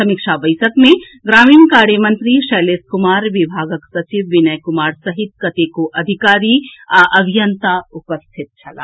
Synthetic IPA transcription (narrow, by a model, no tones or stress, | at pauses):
sɐmɪkʃʰabɐjsəkmẽ | ɡɾaːmimkaːɾjəmə̃nt̪ɾiʃɛːleːskʊmaːɾʋɪbʱaːɡəksɐt͡ʃiʋːɪnəjkʊmaːɾsɐɦɪt̪̚kɐt̪ekoʔɐd̪ʱikaːɾiaʔɐbʱijənt̪aʊpəst̪ʰɪt̪t͡ʃʰɐla̰ː